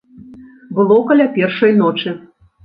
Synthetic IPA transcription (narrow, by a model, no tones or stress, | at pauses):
bɨlˠɔkɐlʲapʲɛrʂɐjnɔt͡ʂɨ